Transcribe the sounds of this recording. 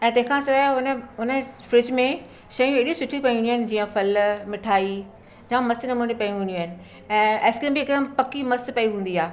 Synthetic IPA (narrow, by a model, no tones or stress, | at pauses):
ɛ̃ːt̪ɐ̃ɦɪ̃kʰãsɐʋaʊnəʊnəfɾɪd͡ʑmẽ | ʃɐjũeɗũsʊʈʰũpɐĩĩnd̪iuɦɪnɪ̆d͡ʑiːãfɐlmɪʈʰaːi | d͡ʑãmɐsnɐmuːnipɐjũɦũːnd̪iaɦɪnɪ̆ | ɛ̃ːeːskimbiːkd̪əmpɐkimɐspɐiɦũːnd̪iaː